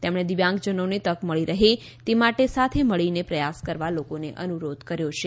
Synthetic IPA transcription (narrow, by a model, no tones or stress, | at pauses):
t̪emɽ̃ed̪iʋjãŋɡd͡ʒənonet̪əkməɭiɾəɦe | t̪emaʈesat̪ʰeməɭinepɾəjaskəɾʋalokoneʔənuɾod̪ʱkəɾjot͡ʃʰe